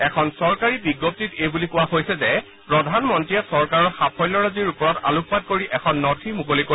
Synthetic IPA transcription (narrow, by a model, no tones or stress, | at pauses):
ɛkʰɔnsɔɹkaɹibiɡɔp̚titejbulikʊwaɦojsɛzɛ | pɹɔdʱanmɔntɹijɛsɔɹkaɹɔɹxapʰɔjlɔɹaziɹupɔɹɔta̰lupʰpat̚koɹiʔɛkʰɔnːɔtʰimukolojko